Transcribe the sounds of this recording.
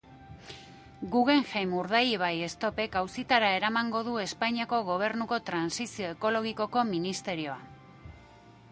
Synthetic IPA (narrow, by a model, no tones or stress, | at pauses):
ɡuɣe̞ŋxejmuɾðajiβ̞aje̞st̪o̞pe̞kawsit̪aɾae̞ɾamaŋɡo̞ð̞ue̞spajɲiako̞ɣ̞o̞β̞e̞ɾnuko̞t̪ɾansisio̞eko̞lo̞ɣ̞iko̞ko̞minist̪e̞ɾio̞a